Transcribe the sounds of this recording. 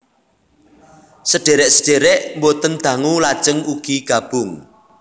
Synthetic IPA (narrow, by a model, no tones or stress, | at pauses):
səɖ̥eɾɛʔsəɖ̥eɾɛʔmbot̪ənd̪̥ä̤ŋulad̥ʒ̥əŋuɡ̥iɡ̥a̤b̥ʊŋ